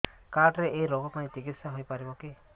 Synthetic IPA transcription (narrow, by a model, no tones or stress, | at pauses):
kaɾʈɾeʔejɾɔɡɔpanĩt͡ʃikit̪saɦojpaɾibɔki